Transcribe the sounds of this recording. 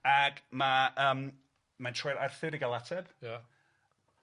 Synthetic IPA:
aɡmaəːm | mantʰrɔjɾarθɪɾiɡalˠatʰɛd̥j

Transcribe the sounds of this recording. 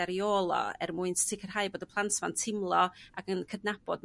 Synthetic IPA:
aɾioːlˠɔ̰ɛ̰rmuɨnttʰɪkʰər̥haɨboːdəpʰlˠantʰvantʰɪmlˠɔaɡənkʰədnab̥ɔdm

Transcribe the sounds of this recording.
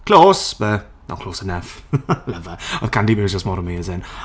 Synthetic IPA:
kʰl̥oːsbə | na̰kʰl̥oːsənəfləvəəð̥kʰãndibizd͡ʒəstmɔːɾəmeːzɪ̃ŋ

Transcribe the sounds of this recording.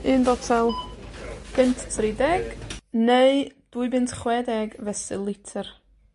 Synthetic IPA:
ɨːnbɔtʰɛlˠ | kʰɪntʰtʰridɛɡ̥neɨd̥wuɨbɨntχwɛdɛɡvɛsɨlˠɪtʰər

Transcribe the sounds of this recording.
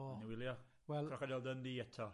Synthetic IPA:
niwɪljɔ | wɛkʰrɔχadɛlˠdənðiːɛtʰɔ

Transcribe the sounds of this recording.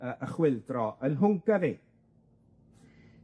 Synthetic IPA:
əʔəχwɪlˠdrɔʔənɦʊŋɡavi

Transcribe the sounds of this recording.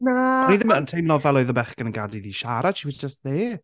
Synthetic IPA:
naniðɪməəntʰejmnɔvɛlˠɔɨðəbɛχɡ̥ənənɡadiðiʃaɾad̥ʃiwɪdd͡ʒəstðeː

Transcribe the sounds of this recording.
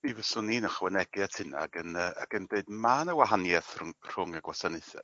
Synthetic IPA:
ivəsʊninəχwɛnɛɡɨatʰɪna̰ɡənəa̰ɡ̥əndeɨdmanəwaɦanjɛθrr̥ʊŋaɡwasaneθɛ̰̥

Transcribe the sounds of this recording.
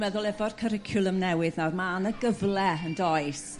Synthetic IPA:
mɛðʊlˠɛvɔr̥kʰəɾɪkʰjʊlˠəmnɛwɨðnarmanəɡəvlˠɛəndɔɨs

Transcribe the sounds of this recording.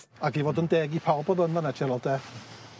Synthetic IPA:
aɡivoːdəndeːɡipʰawbɔðənanɛt͡ʃɛlɔldɛ

